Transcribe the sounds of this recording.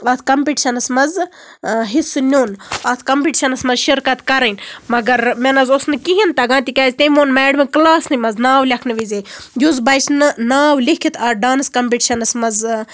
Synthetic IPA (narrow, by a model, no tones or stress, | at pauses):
ɐt̪ʰkɐmpiʈʃɐnɐsmɐz | ɦisɨnʲoːnɐt̪ʰkɐmpiʈʃɐnɐsmɐzʃiɾkɐt̪kɐɾɐnmɐɡɐɾmʲenɐzosnɨkiɦint̪ɐɡãːnt̪ʲikʲaːzʲt̪emoːnmɛːɖmeklaːsnɨmɐznaːwlʲɐkʰnɨʋizeːjuzbɐjt͡ʃʰnɨnaːwlikʰit̪ʰɐɖaːnɨskɐmpiʈʃɐnɐsmɐz